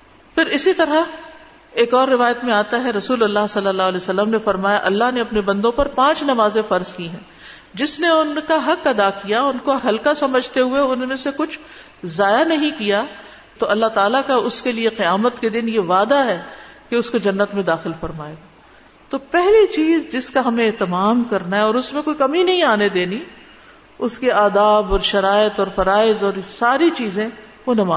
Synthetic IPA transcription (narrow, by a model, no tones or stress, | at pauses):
pʰɪɾɪsit̪ɐɾa | eːkɔːɾːɪʋaːjət̪mẽaːt̪aɦɛɾɐsuːlɐlːaɦsɐlːəlːaːɦlɛːsɐlːəmnefɐɾmaːjaʔɐlːaɦneɐpnebɐ̃nd̪õpɐɾpãːt͡ʃnɐmaːzẽfɐɾzkiɦɛ̃ː | d͡ʒɪsneʊnkaɦɐqɐd̪akijaʊnkoɦɐlkasɐməd͡ʒʱt̪eɦueʊnmẽsekʊt͡ʃʰ | zaːjanɐɦĩkija | t̪oʔɐlːaɦt̪aːlakaʊskelieqɪjaːmət̪ked̪ɪnjeʋaːd̪aɦɛːkeʊskod͡ʒɐnːət̪mẽd̪aːxɪlfɐɾmaːeːɡaː | t̪opɛɦlit͡ʃiːzd͡ʒɪskaɦɐmẽːt̪ɐmaːmkɐɾnaɦɛɔːɾʊsmẽkoːikɐminɐɦĩaːned̪eːni | ʊskiaːd̪aːbɔːɾʃɐɾaːɪt̪ɔːɾfɐɾaːɪzɔːɾsaːɾit͡ʃiːzẽ | ʋonɐmaː